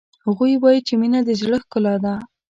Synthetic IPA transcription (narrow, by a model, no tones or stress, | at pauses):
haɣujwɑjit͡ʃeminad̪əʒɽəxkʊlɑd̪a